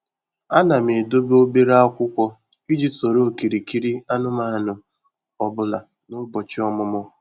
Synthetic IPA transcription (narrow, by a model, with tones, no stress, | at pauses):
a˦na˨me˨do˦bo˦be˦ɾa˦a˦kʷʊ˦kʷɔ˦ | i˦d͡ʒi˨tso˨ɾo˦˨ki˨ɾi˨ki˦ɾi˦a˦nʊ˦ma˦˨nʊ˨ | ɔ˦bʊ˦la˨ | nʊ˦bɔ˨t͡ʃɪ˦ɔ˦mʊ˦mʊ˦